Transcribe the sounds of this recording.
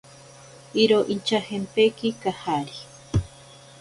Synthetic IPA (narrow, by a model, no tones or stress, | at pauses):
iɾoʔint͡ʃahempekikahaɾi